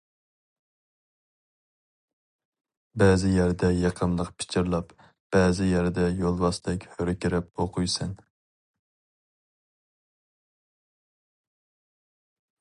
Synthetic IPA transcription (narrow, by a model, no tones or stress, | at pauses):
bɛːzɪjæɾd̪ɛjɑqʰəmlˠəqpʰɪ̥t͡ʃʰɪɾlˠɑp | b̥ɛːzɪjæɾd̪ɛjolˠwɑsd̪ɛkʲhøɾɪkʲiɾɪp̚oqʰujsɨn